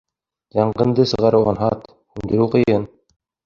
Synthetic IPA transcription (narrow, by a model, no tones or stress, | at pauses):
jɑɴɢɤ̆nd̪ɤsɤ̆ʁɑɾɘwɑnɦɑt̪ | hʉnd̪ɘ̆ɾɘqɤ̆jɤn